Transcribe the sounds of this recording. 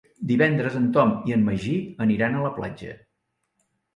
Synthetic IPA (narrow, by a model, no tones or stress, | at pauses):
d̪iβɛnd̪ɾəzənt̪ɔmiəmːəʒiəniɾanələpla̰d͡ʒə̰